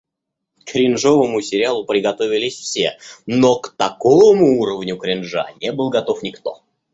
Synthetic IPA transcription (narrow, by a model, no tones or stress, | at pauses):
kɾʲɪnʐovəmʊsʲɪɾʲɪalˠʊpɾʲɪɡɐt̪o̞vʲɪlʲɪsʲfsʲḛnokt̪ɐkovmʊuɾəvnʲʊkɾʲɪnʐa̰nʲebɨlˠɡɐt̪o̞fnʲɪkt̪o̰